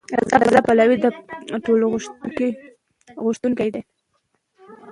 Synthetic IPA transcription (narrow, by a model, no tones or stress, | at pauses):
ɾazɑɾazɑpalawid̪əʈoloɣki | ɣʊʃt̪uŋkajd̪aj